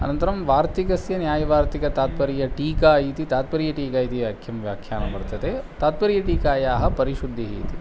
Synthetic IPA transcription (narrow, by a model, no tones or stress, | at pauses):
ɐ̰nɐnt̪ɐɾɐmʋaːɾt̪ikɐsjɐnjaːjɐʋaːɾt̪ikɐt̪aːt̪̚pɐɾijɐʈiːkaːjiːt̪it̪aːt̪̚pɐɾijɐʈiːkaːjit̪iɐkʰjɐmʋjaːkʰjaːnɐbɐɾt̪ɐd̪et̪aːt̪̚pɐɾijɐʈiːkaːjaːɦɐpɐɾiʃud̪ʱːiɦiːt̪i